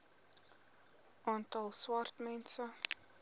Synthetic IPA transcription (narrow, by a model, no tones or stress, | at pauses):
ʔɑːntɐlˠswɐrtmɛnsə